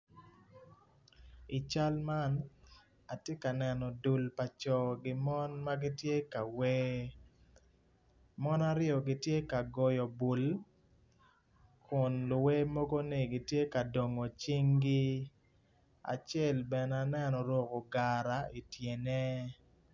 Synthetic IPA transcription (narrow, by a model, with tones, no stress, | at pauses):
i˨t͡ʃa˦lma˦n | a˨tje˦ka˨nɛ˨nɔ˨du˨lpa˨t͡ʃɔ˨ɡɪ˦mɔ˦nma˦ɡɪ˦tje˦ka˨we˦ | mɔ˦na˦ɾɪ˦ɔ˨ɡɪ˦tje˦ka˨ɡɔ˨jɔ˨bu˨l | kʊ˨nlʊ˨we˦mo˦ɡo˦nɪ˦ɡɪ˨tje˦ka˨do˨ŋɔ˨t͡ʃi˦ŋɡi˦ | a̰˨t͡ʃɛ˦˨lbɛ˨na˨nɛ˦nɔ˨ɾwo˨ko˨ɡa˨ɾa˨ʔi˨tje˨nɛ˦